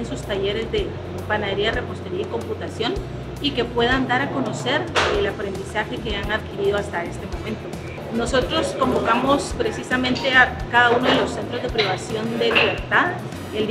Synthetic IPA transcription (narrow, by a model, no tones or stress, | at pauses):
ensust̪aʝe̞ɾe̞zðe̞ | panaðe̞ɾiare̞po̞st̪e̞ɾiaiko̞mput̪asjo̞n | ike̞pwe̞ð̞and̪aɾako̞no̞se̞ɾelapɾe̞nd̪isaxe̞ke̞aŋaðkiɾiðo̞ast̪ae̞st̪e̞mo̞mẽ̞nt̪o̞ | no̞so̞t̪ɾo̞sko̞mbo̞kamo̞spɾe̞sisamẽ̞nt̪e̞akaðauno̞ðelo̞se̞nt̪ɾo̞zðe̞pɾiβasjo̞nd̪e̞liβe̞ɾt̪að | eld̪